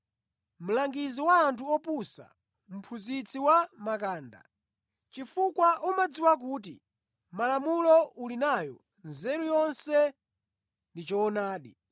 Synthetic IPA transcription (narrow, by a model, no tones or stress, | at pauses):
m̩laŋɡiziwaːntʰuɔpusa̰ | m̩pʰuzit͡sʰiwamakaːnda̰ | t͡ʃifukwaʔumad͡ziwak̬uːtḭ | malamulɔulinajɔ̰ | nzɛɾujɔnsɛ | ndit͡ʃɔːnaːɗi